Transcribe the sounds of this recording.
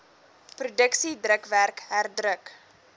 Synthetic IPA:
prudəksidrəkværkɦærdrək

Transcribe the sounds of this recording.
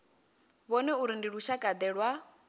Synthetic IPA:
βɔnɛuɾindiɺuʃakʼad̪ɛɺwa

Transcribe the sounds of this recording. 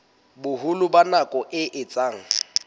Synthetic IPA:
bʊɦʊlʊbanakʼɔʔɪʔɪt͡sʼaːŋ̩

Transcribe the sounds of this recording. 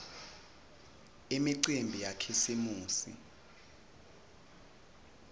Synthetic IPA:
emiǀimbʱijakʰisimuːsḭ

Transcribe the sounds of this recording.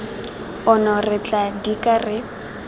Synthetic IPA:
ʊnɔrɪt͡ɬʼadikʼarɪ

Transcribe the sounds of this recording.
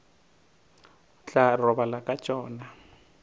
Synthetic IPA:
t͡ɬʼarɔbalakʼḁt͡ʃʼɔːna

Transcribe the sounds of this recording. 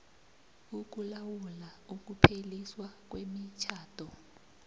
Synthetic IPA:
uk̬ulawulauk̬upʰeliswak̬wemit͡ʃʰaːtʰʼɔ

